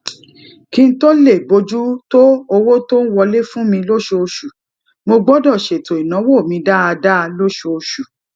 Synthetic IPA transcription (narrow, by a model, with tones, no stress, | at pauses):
kĩ˧n̩˦to˦le˦˨bo˧d͡ʒu˦to˦o˧wo˦to˦n̩˦wɔ˧le˦fũ˦mĩ˧lo˦ʃo˧o˧ʃu˨ | mo˧ɡ͡bɔ˦dɔ˦˨ʃe˨to˨i˨nã˨˦wo˦˨mĩ˧da˦a˧da˦˧lo˦ʃo˧o˧ʃu˨